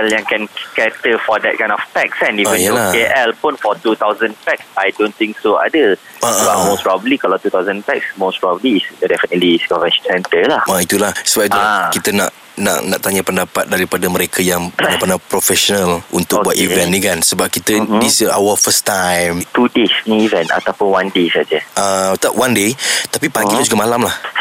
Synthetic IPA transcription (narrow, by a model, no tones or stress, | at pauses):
ɛljãŋkɛ̃nkɛtəfɔdɛt̚kãj̃nɔft̪ɛksɛ̃niə̃njəlaeʔɛlpũnfɔt̪ut̪awzə̃npɛksajdõnt̪ĩŋksoa̰də | aʔbamospɹɔbəlikalawt̪ut̪awzə̃nt̪ɛksmospɹɔbəliːsdɛfənətliskɔvɛʃsɛ̃nt̪əlahait̪ulahsəbap̚it̪ulakit̪əna̰ʔ | na̰ʔnãʔt̪aɲapəndapat̪̚daɾipadaməɾekʰajaŋpənapənapɾɔfɛʃɔnəlṵnt̪ʊkbuat̪ivvɛ̃ntnikansəbap̚kit̪ədisəawəfəst̪ãjmt̪udesnĩivɛ̃nta̰t̪apʊ̃nwãndesad͡ʒəʔət̪awãndet̪apipaŋɡilad͡ʒuɡamalamlah